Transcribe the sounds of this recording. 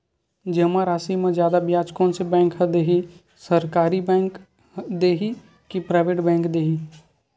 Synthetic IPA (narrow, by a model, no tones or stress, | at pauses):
d͡ʒəmãɾaːsimẽzjaːd̪abjaːd͡ʒkõnsebɛ̃ːŋkɦəd̪eːɦi | səɾkaːɾibɛ̃ːŋk | d̪eːɦi | kipɾaːʋeːʈbɛ̃ːŋkd̪eːɦi